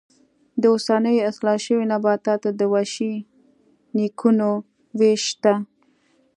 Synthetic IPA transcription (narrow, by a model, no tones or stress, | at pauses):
d̪əosanəjaslɑʃəwinabɑt̪ɑt̪ad̪əwaʃi | nikʰuno | weʃt̪a